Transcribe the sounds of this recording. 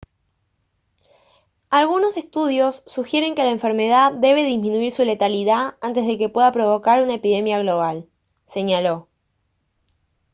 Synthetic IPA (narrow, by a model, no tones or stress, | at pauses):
alɣuno̞se̞st̪uð̞jo̞sːuxje̞ɾe̞ŋke̞laeɱfe̞ɾme̞ð̞aðe̞β̞e̞ðizmĩnuiɾsule̞t̪aliðaant̪ezðe̞ke̞pwe̞ðapɾo̞βo̞kaɾunaepiðe̞mjaɣlo̞β̞al | se̞ɲalo̞